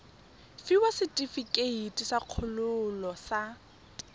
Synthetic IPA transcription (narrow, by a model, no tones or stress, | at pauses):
fiwasɪtʼifikʼeitʼisaq͡χʰʊlʊlɔsa